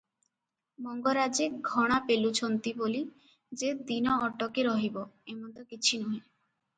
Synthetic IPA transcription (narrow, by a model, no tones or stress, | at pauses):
mɔŋɡoɾad͡ʑeɡʱɔɽ̃apelut͡ɕʰont̪iboli | d͡ʑed̪inɔɔʈːokeɾɔɦiboemont̪okit͡ɕʰinɔe